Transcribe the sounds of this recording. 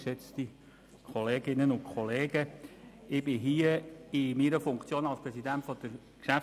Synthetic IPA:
ʃɛt͡st̪i | kʰɔleːɡɪnənʊnkʰχɔleːɡə | ɪb̥ɪɦiːəɪmiɾəfʊŋkt͡sjoːnɑlˠspɾɛsidæntfɔd̥əɾ | kʃæf

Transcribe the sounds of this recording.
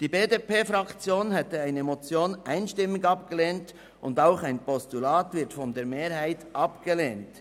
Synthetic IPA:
d̥iːbeːdepeːfɾɑkt͡sjoːnɦɛtəaɪnəmot͡sjoːnʔaɪnʃtɪmːɪɡɑpɡ̥əleːnt | ʔʊndaʊxaɪnpɔstulaːtvɪɐtfɔndeːɾmeːɾhaɪtʔɑpɡ̥əleːnt

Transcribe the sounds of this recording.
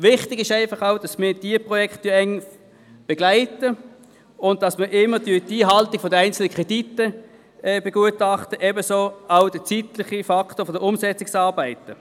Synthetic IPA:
vɪχtɪɡɪʃaɪfɑχaʊd̥ɑsmɪːd̥iəpʁɔjɛkχttyːɐɛŋ | b̥ɛɡ̥laɪtə | ʊn̚d̥ɑsməʔɪmːədyɐdiːɦɑltɪɡ̥fɔdəæɪnt͡sl̩nəkʁ̥ɛditə | ɛːb̥ɛɡ̥uətɑχtəʔɛbəsoːaʊd̥ət͡sitlɪχifɑktoːfodəʊmsɛt͡sɪksɑːɐbæɪtə

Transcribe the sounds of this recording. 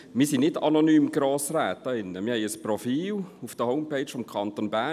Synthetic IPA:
mɪːɐsinɪdanonyːmɡ̥ɾoːsrɛːt̚ːɑɪnːəmɪːhɛɪəsprofiːlufd̥əhoʊmpeɪt͡ʃfɔmkʰɑnt̪onbæ

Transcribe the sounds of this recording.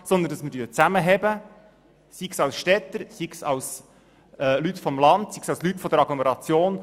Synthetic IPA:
sɔnd̪əndɑsmədyːət͡sæməɦɛbə | siksɑwsʃtɛt̪ːəɾsiksɑws | ɛlytfɔmlɑndsiksɑwslyt̪fɔd̪əɾɑɡ̥lɔmɛɾɑt͡sjoːn

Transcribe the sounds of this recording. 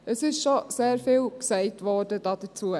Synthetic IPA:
əsɪʃʃɔseːɾfɪːlksɛɪtʋɔːd̥əd̥ɑd̥ət͡suə

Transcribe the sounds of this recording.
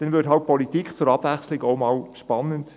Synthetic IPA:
d̥ɛnvɪthɑlt̚pʰɔlitikχt͡sʊɾɑb̥væχslɪkoʊmɑːlʃpɑnənt

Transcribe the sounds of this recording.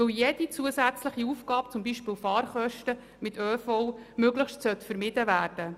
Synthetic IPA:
ɵljɛd̥it͡suəsæt͡sləχiufɡ̥ɑːpt͡sʊmbiːʃpɪːwfɑːrχœʃtə | mɪt̪øːfɔʊmøɡləχʃtsœt̪fəɾmɪd̥əʋæːrd̥ə

